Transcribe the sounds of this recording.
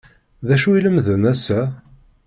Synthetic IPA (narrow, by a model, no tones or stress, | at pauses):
ðæʃuiləmðənæsæ